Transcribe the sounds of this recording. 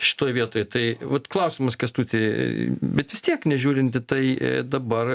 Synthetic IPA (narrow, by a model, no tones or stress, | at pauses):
ʃʲɪ̥t̪oːjʋʲiɛt̪oːjt̪ɐɪʋɐt̪klˠɐʊsʲɪmɐskɐst̪uːt̪ʲɪbʲɛt̪ʋʲɪst̪ʲiɛknʲɛʒʲuːɾʲɪnʲt̪ʲɪt̪ɐɪ̰d̪ɐbɐr